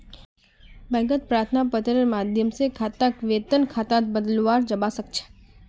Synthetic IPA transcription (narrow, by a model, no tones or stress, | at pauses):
bɛ̃ɡət̪̚pɾaɾt̪ʰnapət̪ɾəmad̪ʱjəmsekʰat̪ãkʋet̪ənkʰat̪ãt̪bəd̪əlʋaɾd͡ʒəbasək̚t͡ʃʰe̥